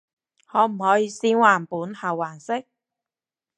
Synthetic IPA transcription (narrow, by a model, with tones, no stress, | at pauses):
hɔː˨˧m̩˨˩hɔː˨˥jiː˨˧siː˦˥nwaː˨˩npuː˨˥nhɐ˨˩wːaː˨˩nsɪ˥k̚